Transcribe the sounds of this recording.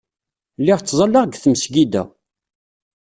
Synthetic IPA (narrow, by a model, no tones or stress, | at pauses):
lːɪʁt͡sːzˤɑlːəʁɡθmsɡid̪æ̰